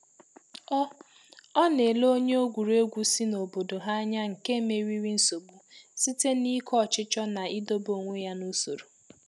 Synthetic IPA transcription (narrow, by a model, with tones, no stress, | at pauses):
ɔ˦ | ɔ˦ne˨lo˦ɲe˦o˦ɡʷu˨ɾe˦ɡʷu˨si˦no˨bo˨do˨ɦa˦ɲa˦ŋ̩˨ke˦me˨ɾi˦ɾi˦n̩˦so˨ɡ͡bu˨si˦te˦ni˦kʰɔ˦˨t͡ʃɪ˦t͡ʃɔ˦na˨i˦do˦bo˨ŋʷe˦ja˦nu˦so˨ɾo˨